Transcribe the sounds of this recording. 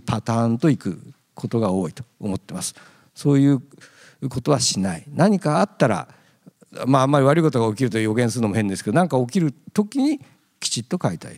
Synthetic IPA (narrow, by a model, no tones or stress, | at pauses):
pʰat̪aːnt̪o̞ikɯ̟̰ | kʰo̞t̪o̞ɡao̞ːit̪o̞̥omo̞t̪ːe̞masɨ̥ | so̞ːjɯ̟ː | ko̞t̪o̞β̞aɕinainaɲ̟ikaːt̪ːaɾa̰ | maamːaɾʲiβaɾɯ̟iko̞t̪oɡaok̬ʲiɾɯ̟t̪ojo̞ɡẽ̞sɨɾɯnomohẽnd̪esked̪onãŋkaok̬ʲiɾɯ̟t̪o̞kʲiɲ̟i | kʲi̥t͡ɕit̪ːo̞kait̪a̰ḭ